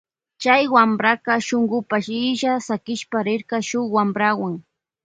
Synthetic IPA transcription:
t͡ʃajwambɾaqɑʃoŋɢʊpaʃɪʃasakɪʃpaɾɪɾqɑʃʊχwambɾawaŋ

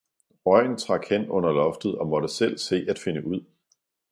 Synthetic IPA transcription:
ɒɪ̰n̩t͡sʰʁɑ̈ɡ̥hen̰ɔ̽n̰ɐlɒ̽fd̥ð̞̩ˠɒ̽mɒ̽d̥əsel̰se̝̰ːæd̥fe̝nəʔuð̞̰ˠ

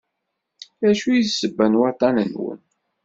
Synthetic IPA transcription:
æʃujisːəbːænwɑt̪ˤɑnənwə̰n

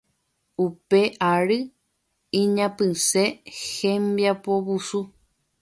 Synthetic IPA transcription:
upe̞ʔaɾɨ | ĩɲãpɨ̃se̞hẽmbjapoβusu

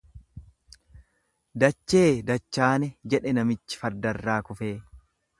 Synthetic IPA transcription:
d̪ɐt͡ʃːe̞ːd̪ɐt͡ʃːaːnɛd͡ʒɛᶑɛnɐmɪt͡ʃːɪ̥fɐɾd̪ɐrːaːkʊfeː

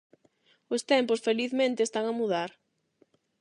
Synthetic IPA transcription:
ʊst̪ɛmpʊsfeliθmẽnt̪ɪeːst̪aŋamuðaɾ

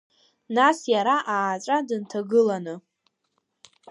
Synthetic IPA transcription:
nasjaɾaʔaːʈ͡ʂʼadɨntʰaɡɨlanɨ

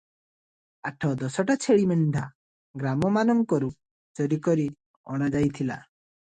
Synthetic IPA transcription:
aʈʰɔd̪ɔsɔʈat͡ʃʰeɭimɛɳɖʱa | ɡɾamɔmanɔŋkɔɾu | t͡ʃɔɾikɔɾi | ɔ̰ɽ̃ad͡ʒajt̪ʰila̰

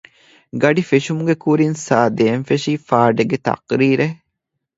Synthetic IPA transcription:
ɡɐɖifeʃumuɡekuɾinsaːd̪eːnfeʃiːfaːɖeɡet̪ɐ̰qɾiːɾe

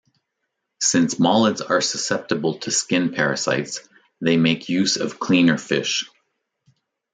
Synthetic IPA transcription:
sɪ̃nsmɑlˠədzə˞səsɛp̚tɨbl̩ˠtʰɨskɪ̃npʰɛɹɨsa̰ɪts | ðeɪmeɪkʰjʉzʌv̥kʰl̥ĩnə˞fɪ̰ʃ

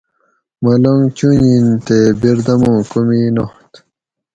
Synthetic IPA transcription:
mɐloŋɡt͡ɕuɲint̪ebiɾd̪ɐmõːkuminoht̪

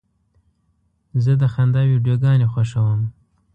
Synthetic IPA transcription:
zəd̪əxand̪ɑwiɖjoɡɑnexwaʃawəm

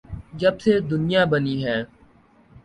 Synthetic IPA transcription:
d͡ʒɐb̚sed̪ʊnɪjabəniɦɛː

